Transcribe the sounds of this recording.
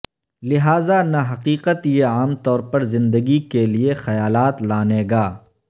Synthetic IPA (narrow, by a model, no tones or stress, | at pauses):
lɪɦaːzanɐɦɐqiːqət̪jeaːmt̪ɔːɾpɐɾzɪ̃nd̪əɡikeliexɐjaːlaːt̪laːneːɡaː